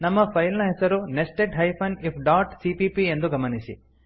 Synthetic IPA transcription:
nɐmːɐpʰɐjlnɐɦɛsɐɾunesʈeʈɦɐjpʰɐnipʰɖaːʈsipipie̞nd̪uɡɐmɐnisḭ

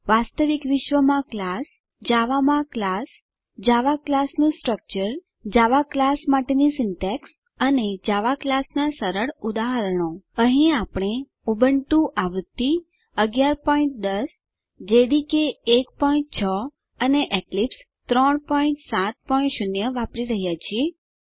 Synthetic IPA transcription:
ʋast̪əʋikʋɪʃʋəmãklas | d͡ʒaʋamãklas | d͡ʒaʋaklasnũsʈɾək̚t͡ʃəɾ | d͡ʒaʋaklasmaʈenisɪnʈɛks | əned͡ʒaʋaklasnasəɾəɭud̪aɦəɾəɳ̃oəɦĩapɽ̃e | ubəɳt̪ũʔaʋɾt̪ːi | əɡjaɾpɔiɳʈ̚d̪əs | d͡ʒeɽikeːkpɔĩɳʈ̚t͡ʃʰɔ | əneʔeklips | t̪ɾɔɳpɔiɳʈsat̪̚pɔĩɳʈʃunjəʋapɾiɾəɦjat͡ʃʰie

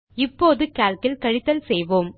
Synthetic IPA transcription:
ɪpːoːðɯkaːlkɪlkɐɻɪt̪ːɐlsɛjʋoːm

